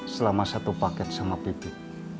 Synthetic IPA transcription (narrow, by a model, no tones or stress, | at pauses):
səlamasat̪upakɛt̪̚samapit̪ɪt̚